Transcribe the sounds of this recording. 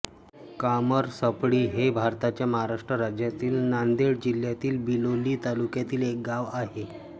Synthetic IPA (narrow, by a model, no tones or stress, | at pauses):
kaməɾsəpɽiːɦebʱaɾt̪at͡ɕjaməɦaɾaʂʈɾəɾad͡ʑjat̪iːlnand̪eɽd͡ʑil̤jat̪iːlbiloliːt̪alukjat̪iːlek̚ɡaʋaɦe